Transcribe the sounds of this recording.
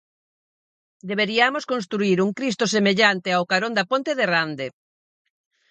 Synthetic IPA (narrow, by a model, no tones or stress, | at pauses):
d̪eβeɾiamoskõnst̪ɾuiɾuŋkɾist̪osemeʎant̪eawkaɾond̪apõnt̪eðerand̪e